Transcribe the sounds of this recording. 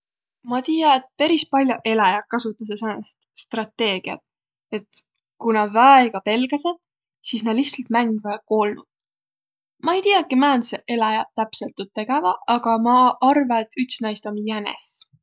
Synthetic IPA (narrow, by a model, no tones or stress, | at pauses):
mɑt̪iːjɑet̪̚peɾispɑlʲjoʔe̞lɑjɑkːɑsut̪ːˑɑs̬esɑnɑst̪st̪rɑt̪ːe̞ːɡ̥iɑ̰t̪ | e̞t̪ | kunɑvæeɡ̥ɑpe̞lɡ̥ɑsed̪ | siːsnɑliht̪sɑlt̪̚mæŋɡ̥væko̞ːlnud̪̥̚ | mɑejt̪ijɑkːimænseʔe̞lɑjɑt̪æpse̞lt̪ːˑut̪ːe̞ɡ̥evɑɑɡ̥ɑmɑʔɑrvɑet̪ːyt̪snɑjst̪o̞mjænḛs